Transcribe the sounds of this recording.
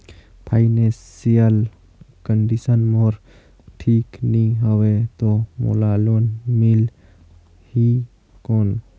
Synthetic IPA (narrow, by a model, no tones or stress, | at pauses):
pʰainẽsijəl | kəɳɖisənmoɾ | ʈʰiːknĩɦəwet̪omo̰laloːnmil | hi | koːn